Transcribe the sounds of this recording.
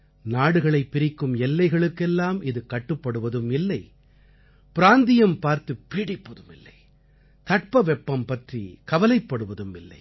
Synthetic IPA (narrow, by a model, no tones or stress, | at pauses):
naːɽɯɣɐɭɐɪpːɪɾɪkːɯmɛlːɐɪɣɐɭɯkːɛlːaːmɪðɯkɐʈːɯpːɐɽɯʋɐðɯmɪlːɐɪ | pɪɾaːnd̪ɪjɐmpaːɾt̪ɯpːiːɽɪpːɐðɯmɪlːɐɪ | t̪ɐʈ̚pɐʋɛpːɐmpɐʈrḭkɐʋɐlɐɪpːɐɽɯʋɐðɯmɪ̰lːɐ̰ɪ